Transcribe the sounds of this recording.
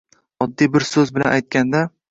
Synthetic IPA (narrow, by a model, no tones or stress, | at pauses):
ɒd̪ːijbɪɾsɵzbɪla̰najt̪̚kʲand̪a